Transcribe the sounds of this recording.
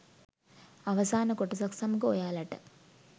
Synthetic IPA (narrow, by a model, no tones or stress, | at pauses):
ɐʋɐsaːnɐkoʈːisɐksɐmɡo̰ːjaːlɐʈːɨ